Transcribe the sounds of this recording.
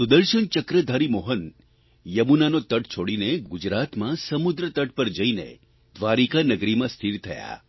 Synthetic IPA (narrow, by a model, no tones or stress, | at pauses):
sud̪əɾʃəɳt͡ʃəkɾəd̪ʱaɾimoɦən | jəmunanot̪əʈt͡ʃʰoɽineɡud͡ʒɾat̪mãsəmud̪ɾət̪əʈ̚pəɾd͡ʒəinḛ | d̪ʋaɾikanəɡɾimãst̪ʰiɾt̪ʰəja̰